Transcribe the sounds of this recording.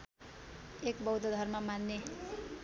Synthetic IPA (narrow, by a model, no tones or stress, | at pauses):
ekbʌwd̪ʌd̪ʱʌrmamanːe